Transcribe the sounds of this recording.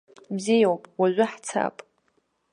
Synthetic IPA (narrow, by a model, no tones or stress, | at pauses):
bzijawpʼwaʒʷɪħt͡sʰa̰pʼ